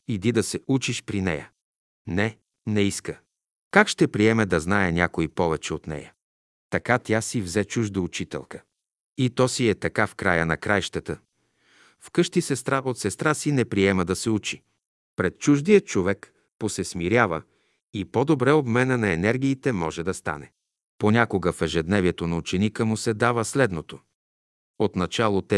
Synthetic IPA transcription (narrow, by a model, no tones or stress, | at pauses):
id̪id̪ɐsɛut͡ʃiʃpɾinɛjə̰ | nɛ | nɛiskə | kakʃt̪ɛpɾiɛmɛd̪ɐznaɛnʲakoipɔvɛt͡ʃɛot̪nɛ̰jə | t̪ɐkat̪ʲjasivzɛt͡ʃuʒd̪oːt͡ʃit̪ɛ̰lˠkə̥ | it̪ɔsiɛt̪ɐkafkɾa̰jənɐ̰kɾajʃt̪ət̪ə | fkɤʃt̪isɛst̪ɾavəot̪sɛst̪ɾasinɛpɾiɛməd̪ɐsɛut͡ʃi̥ | pɾɛt̪̚t͡ʃuʒd̪ijət͡ʃovɛk | posɛsmiɾjavə̰ | ipod̪obɾɛobmɛnənɐɛnɛɾɡʲiːt̪ɛmɔʒɛd̪ɐst̪a̰nɛ | ponʲakoɡəfɛʒɛd̪nɛviɛt̪onɐut͡ʃɛnikəmusɛd̪avəslɛd̪not̪o | ot̪nɐt͡ʃalˠot̪ɛ